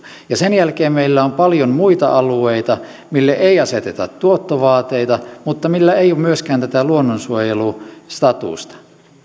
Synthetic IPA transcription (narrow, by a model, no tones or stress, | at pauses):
jɑsenjælkeːmmeilːæompɑljommuit̪ɑ̰ʔɑlueit̪ɑ | milːeʔeiɑset̪et̪ɑ̰t̪tuot̪ːoʋɑːt̪ːeit̪ɑmut̪ːɑmilːæeijomyøskæːnt̪æt̪æluonːonsuojelust̪ɑt̪ṵˑst̪ɑ̥